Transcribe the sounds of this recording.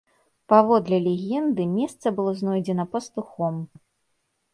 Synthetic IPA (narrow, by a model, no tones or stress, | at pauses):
pavɔd̪lʲɛlʲɛɣʲɛnd̪ɨmʲɛst̪sɐbɨlˠɔznɔjd͡zʲɛnɐpɐst̪uxɔm